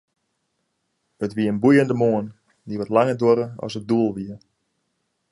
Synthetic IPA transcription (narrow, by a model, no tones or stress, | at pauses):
ətʋiəənbujəndəmoən | diʋotlaŋədoɾəɔ̰sət̚duəlˠʋiə